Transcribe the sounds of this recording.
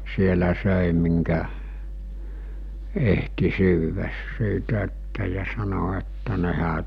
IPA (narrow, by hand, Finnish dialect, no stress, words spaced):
sielæ søˑi miŋkæ ehti syːʋæs siːtæ etːæ jɑ sɑno etːæ nehæ